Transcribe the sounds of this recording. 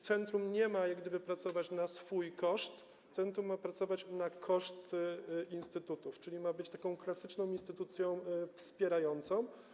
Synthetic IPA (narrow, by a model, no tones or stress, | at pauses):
t̪sɛnt̪ɾumɲɛmajaɡd̪ɘbɘpɾat̪sɔvat͡ɕnasfujkɔʂt̪ | t̪sɛnt̪ɾumːapɾat̪sɔvat͡ɕnakʰɔʂt̪inst̪ɘt̪ut̪uft͡ʂɘlʲimabɘt͡ɕt̪akɔ̃w̃klasɘt͡ʂnɔ̃w̃inst̪ɘt̪ut̪sʲjɔ̃w̃fspʲjɛɾajɔnt̪sɔ̃w̃